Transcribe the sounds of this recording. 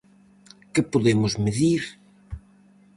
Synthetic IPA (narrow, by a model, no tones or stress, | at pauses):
kɪpoðemʊzmɪðiɾ